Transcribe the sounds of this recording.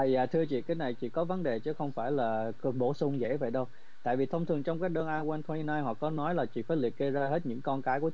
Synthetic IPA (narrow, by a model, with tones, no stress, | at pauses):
zaː˨˩t̪ʰɨ˧ət͡ɕḭ˧˨kaː˨˦jna˨˩jt͡ɕḭ˧˨kɔ˨˦və˨˦nɗe˨˩t͡ɕɨ˨˦xə˧wŋ͡mfaː˧˩jlaː˨˩ɓo˧˩sʊ˧wŋ͡mzḛ˧˥və̰˧˨jɗə˧w | t̪a̰ː˧˨jvi˨˩t̪ʰə˧wŋ͡mt̪ʰɨ˨˩əŋt͡ɕɔ˧wŋ͡mkaː˨˦j̚ɗəː˧nʔaː˧jwɛː˧nt̪ʰwa˧i˧naː˧jɦɔ˨˩kɔ˨˦nɔ˨˦jlaː˨˩t͡ɕḭ˧˨faː˧˩jli˨˩ət̚ɣə˧zaː˧ɦe˦˥t̚ɲɨ̰˧˥ŋkɔ˧nkaː˨˦jku˧˩ə